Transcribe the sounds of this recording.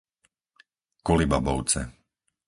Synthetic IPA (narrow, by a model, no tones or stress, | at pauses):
kɔlibabɔʊt͡sɛ̰